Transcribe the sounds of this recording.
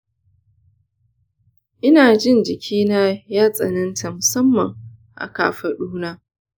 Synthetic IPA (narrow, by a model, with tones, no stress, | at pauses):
ʔɪ˦naː˨d͡ʒɪ˦˨nd͡ʒɪ˨kʲʰiː˦na˦jaː˦sʼɐ̰˨nɐ˦ntʰa˨mʊ˨sɐ˦mːɐ˨ŋ | ʔa̰˨ka̰ː˨ɸɐ˨ɗuː˦naː˦